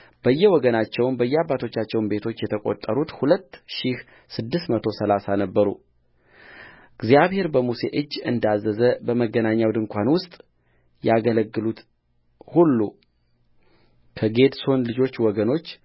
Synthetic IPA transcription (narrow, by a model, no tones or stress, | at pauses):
b̥əjːɛwɔɡənat͡ʃːɛwnbəjːɛabːat̪ʰo̞t͡ʃːat͡ʃːɛwnbe̞t̪ʰo̞t͡ʃːjɛt̪ʰəkʼo̞̰t̪ʼːəɾut̪hulət̪ːʃih | sɨd̪ːɨst̪mət̪ʰosəlasanəbːəɾṵ | ɡzijaβhe̞ɾbəmuse̞̰ʔɨd͡ʒːɨnd̪azːəzəbəməɡːənaɲːawd̪ɨŋkʷʰanwʊst̪ʼ | jaɡələɡːɨlut̪ | hulːṵ | kʰəɡe̞d̪so̞nlɨd͡ʒo̞t͡ʃːwɔɡəno̞t͡ʃː